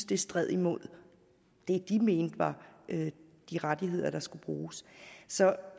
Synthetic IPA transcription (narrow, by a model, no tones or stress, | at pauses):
sd̥əsd̥ʁɛð̰ˠimo̝ð̰ˠ | d̥e̝d̥ime̝ːnd̥ʋɑ̈ød̥iʁad̥iɦe̝ð̰ˠɐɾ̥ɑ̈sɡ̥ub̥ʁuːssɒ̽